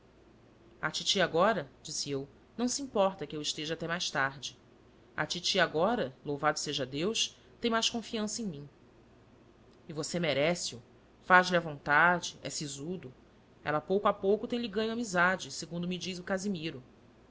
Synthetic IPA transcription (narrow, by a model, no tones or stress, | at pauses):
a̰t͡ʃit͡ʃiaɡɔɾɐd͡ʒisiew | nɐ̃w̃siĩmpɔɾt̪ɐkɪewiʃt̪eʒɐat̪ɛmajʃt̪aɾd͡ʒɪ | a̰t͡ʃit͡ʃiaɡɔɾɐlowvad̪ʊseʒɐd̪ewʃ | t̪ẽj̃majʃkõfiɐ̃sɐẽj̃mĩ | ivosemeɾɛsiu | faʒliɐvõnt̪ad͡ʒɪɛ̰sizud̪ʊ | ɛ̰lɐpowkʊapowkʊt̪ẽlɪɡɐ̃ɲʊamizad͡ʒɪseɡũnd̪ʊmid͡ʒizukazimiɾʊ